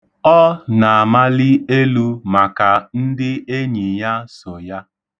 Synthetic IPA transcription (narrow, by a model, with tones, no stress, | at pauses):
ɔ˦na˨a˨ma˦lɪ˦e˦lu˦ma˨ka˨n̩˦dɪ˦e˦ɲi˨ja˦so˨ja˦